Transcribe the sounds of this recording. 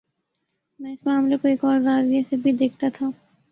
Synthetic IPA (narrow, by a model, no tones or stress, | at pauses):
mɛ̃ːɪsmaːmlekoikɔːɾzaːɾiesebʱid̪eːk̚ʰt̪at̪ʰaː